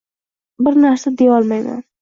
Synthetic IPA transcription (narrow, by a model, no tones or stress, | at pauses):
bɪɾnaɾsad̪e̞ɒlˠmajma̰n